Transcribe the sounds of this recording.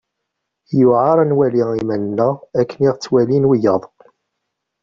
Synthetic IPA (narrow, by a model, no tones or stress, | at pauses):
juʕɑɾˤnwæliimænnːəʁækːəniʁt͡sːwælinwijəðˤ